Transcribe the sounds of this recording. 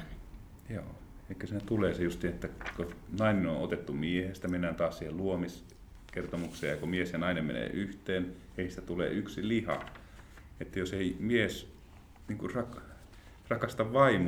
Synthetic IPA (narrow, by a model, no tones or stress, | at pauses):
jo̰ːeˑikːøsiːnæt̪uleːsejust̪iːnet̪ːækonɑineno̰ʔʔot̪et̪ːumiehest̪æmenːænt̪ɑːssiːhelluomis | kert̪omukseːjɑkomiesjɑnɑinemmḛnḛːʔyht̪eːn | eˑiisit̪æt̪ulḛːʔyksilihɑ̰ | et̪ːæjoseimies | niːŋkurrɑk | rɑkɑst̪ɑʋʋɑim